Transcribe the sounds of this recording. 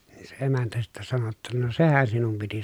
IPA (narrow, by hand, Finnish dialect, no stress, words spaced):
niː se emæntæ sitːæ sɑno tːɑ no sehæn sinum piti